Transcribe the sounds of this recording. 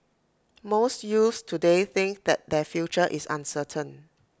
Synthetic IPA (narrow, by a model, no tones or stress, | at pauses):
mostjustʰudeθɪ̃ŋk̚d̪ɛt̚dɛfjut͡ʃəʔisã̰nsətʰə̃n